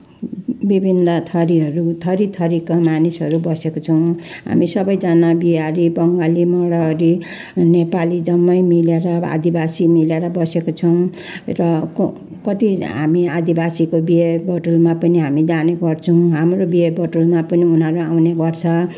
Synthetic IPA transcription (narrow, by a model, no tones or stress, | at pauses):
bibʱind̪ʌt̪ʰʌɾiɦʌɾut̪ʰʌɾit̪ʰʌɾikamanisɦʌɾubʌsekot͡sʰʌw̃ | ɦa̰misʌbʌjd͡zanabiaɾibʌŋɡalimʌɽʌːɾi | nepalid͡zʌmːʌjmileɾʌa̰d̪ibasimileɾʌbʌsekot͡sʰʌw̃ | rʌk | kʌt̪iɦa̰miad̪ibasikobiebʌʈulmapʌniɦamid͡zaneɡʌrt͡sʰʌw̃ɦamrobiebʌʈulmapʌniunɦʌɾuawneɡʌrt͡sʰʌ